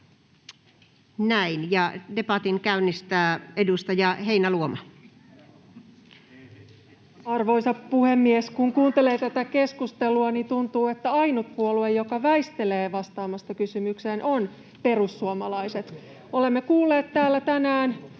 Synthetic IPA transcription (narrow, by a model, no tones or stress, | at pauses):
næinjɑdepɑt̪iŋkæynːist̪æːedust̪ɑjɑheinæluomɑ | ɑrʋo̞isɑppuhe̞mːieskuŋkuːnt̪e̞le̞ːt̪æt̪æke̞skust̪eluɑnit̪unt̪uːe̞t̪ːæɑinut̪̚puoluejo̞kɑʋæist̪e̞le̞ːʋɑst̪ɑːmɑst̪ɑkysymyksenʔo̞n | pe̞rusːuomɑlɑise̞t̪ | olemːekuːlːe̞ːt̪t̪æːlːæt̪ænæːn